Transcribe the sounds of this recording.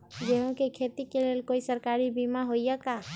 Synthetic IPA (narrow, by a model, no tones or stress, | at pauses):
d͡ʒeɦõkekʰet̪ikeleːlkoisəɾkaɾibimaɦojjəka